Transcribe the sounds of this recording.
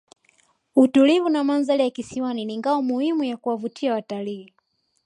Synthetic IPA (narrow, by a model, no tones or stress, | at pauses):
utulivunamanzalijakisiwaniniŋɡaɔmuhimujakuwavutʰiawataliː